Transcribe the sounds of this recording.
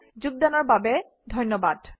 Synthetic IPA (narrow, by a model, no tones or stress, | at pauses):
d͡ʑuɡ̚danɔɹbabɛ | dʱɔjnɔbad